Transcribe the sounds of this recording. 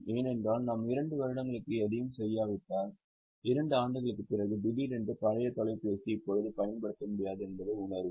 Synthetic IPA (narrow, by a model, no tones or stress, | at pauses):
eːnɛndraːlnɐmɪɾɐɳɖɯʋɐɾɯɽɐŋɡɐɭɯkːɯɛðɪjɯmsɛjːaːʋɪʈːaːn | ɪɾɐɳɖɯaːɳɖɯɣɐɭɯkːɯpːɪɾɐɣɯɖɪbiɾɛndrɯpɐɻɐjɐt̪ɔɭɐɪpeːsiɪpːɔɻɯðɯpɐjɐnpɐɽɯt̪ːɐmʊɽɪjaːðɯɛnbɐðɯʊɳɐɾ